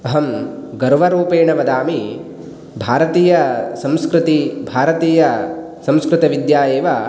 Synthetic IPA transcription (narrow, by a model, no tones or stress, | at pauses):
ɐɦɐmɡɐɾʋɐɾuːpeːɳɐʋɐd̪aːmi | bʱaːɾɐt̪iːjɐsɐ̃mskɾut̪ibʱaːɾɐt̪iːjɐ | sɐ̃mskɾɪt̪ɐʋid̪jaːjeːʋa